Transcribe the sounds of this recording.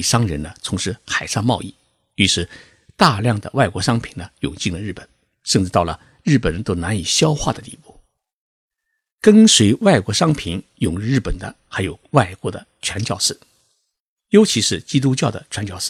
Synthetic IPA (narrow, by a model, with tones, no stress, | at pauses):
ʂɑ˥ŋɻə˧˥nə˧t͡sʰʊ˧˥ŋʂɻ̩˥xa˨˩ɪʂɑ˥˧mɑ˥˧ʊi˥˩ | y˧˥ʂɻ̩˧˥ | t̪a˥˧ljɑ˥˩ŋd̪ə̰˩wa˥˩ɪkwɔ˧˥ʂɑ˥ŋpʰi˨˩nə˦jʊ̰˨˩ŋt͡ɕi˥˩ŋlə˩ɻ̩˥˩pə˨˩˦n | ʂə˥˧nʈ͡ʂɻ̩˥˧t̪ɑ˥˩ʊlə̰˩ | ɻɻ̩˥˩pə˨˩nt̪o˥ʊna˧˥ni˨˩ɕjɑ˥ʊxwa̰˥˩d̪ə˩t̪ḭ˥˧pu˥˩ | kə˥nswe˧˥ɪwa˥˩ɪkwɔ˧˥ʂɑ˥ŋpʰi˧˥njʊ˨˩ŋɻ̩˥˧ɻ̩˥˩pə˨˩nd̪ə˦xa˧˥ɪjo˨˩ʊwa˥˩ɪkwɔ˧˥d̪ə̰˧t͡ɕʰɥɛ˧˥nt͡ɕjɑ˥˧ʊʂɻ̩˥˩ | jo˧˥ʊt͡ɕʰi˧˥ʂɻ̩˥˩t͡ɕi˥t̪u˥t͡ɕjɑ˥˩ʊd̪ə̰˩t͡ɕʰwa˧˥nt͡ɕjɑ˥˧ʊʂɹ̩˥˩